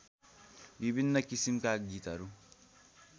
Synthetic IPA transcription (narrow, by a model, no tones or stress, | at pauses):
bibinːɐkisimkaɡit̪ɐɾu